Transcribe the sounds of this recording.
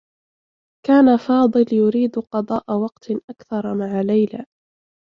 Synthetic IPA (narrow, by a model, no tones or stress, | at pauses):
kaːnafɑːd̪ˤɨljʊɾiːd̪qɑd̪ˤɑːʔawɑqt̪ʔakθɑɾˤmaʕalajla